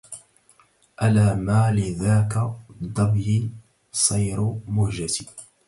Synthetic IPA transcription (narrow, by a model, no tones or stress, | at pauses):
ʔalaːmaːlɪðaːkad̪ˤɑbji | sˤɑjɾmʊhd͡ʒat̪i